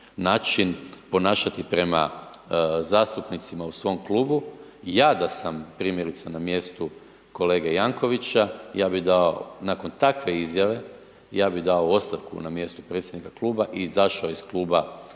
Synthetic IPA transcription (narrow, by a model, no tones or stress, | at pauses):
naːt͡ʃinpo̞naːʃat̪ipɾe̞ma̰ | zaːst̪upnit̪simausʋo̞mkluːbujaːd̪asampɾiːmje̞ɾit̪sanamje̞ːst̪u | ko̞le̞ːɡejaŋko̞ʋit͡ʃajaːbid̪ao̰nako̞nt̪akʋe̞izjaʋe̞ | jaːbid̪aoo̞st̪aʋkṵnamje̞st̪upɾe̞t̪sʲjed̪nikaklˠuːbaʔizaʃaoisklˠuːba